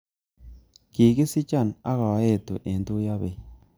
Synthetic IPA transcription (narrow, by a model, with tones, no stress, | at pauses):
ki˨ki˦si˦t͡ʃa˦˨na̰˦ɣa˨wa˦je˦˨tṵ˨ʔe˨ndu˦ja˦βe˨